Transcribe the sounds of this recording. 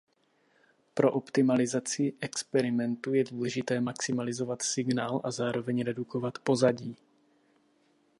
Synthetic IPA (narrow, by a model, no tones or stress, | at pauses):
pɾo̞ʔopt̪ɪmalɪzat͡sɪʔɛkspɛɾɪmɛnt̪ujɛduːlɛʒɪt̪ɛːmaksɪmalɪzo̞vat̪sɪɡnaːlʔazaːɾo̞vɛɲɾɛduko̞vat̪po̞zaɟiː